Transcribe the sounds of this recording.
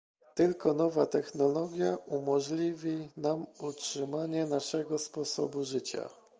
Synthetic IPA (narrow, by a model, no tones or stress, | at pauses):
t̪ɘlkɔnɔvat̪ɛxnɔlɔɡʲjaumɔʐlʲivʲinamutʂɘmaɲɛnaʂɛɡɔspɔsɔ̰buʐɘt͡ɕa̰